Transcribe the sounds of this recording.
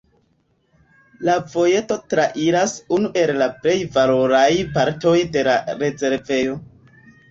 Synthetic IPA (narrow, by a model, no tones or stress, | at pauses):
lavo̞je̞to̞tɾaʔiɾasunuʔe̞llaple̞jvalo̞ɾajpaɾto̞jde̞laɾe̞ze̞ɾve̞jo̞